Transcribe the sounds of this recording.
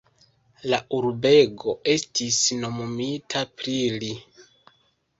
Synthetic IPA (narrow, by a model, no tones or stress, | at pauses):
laʔuɾbe̞ɡo̞e̞stisno̞momitʰapɾili